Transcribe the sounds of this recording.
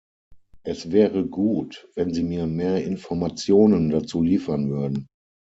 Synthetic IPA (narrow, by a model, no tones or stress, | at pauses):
ʔɛsv̥ɛːʁəɡuːtvɛnziːmiːɐmeːɐʔɪnfɔɐmat͡sjoːnəndat͡suːliːfɐnvʏɐdn̩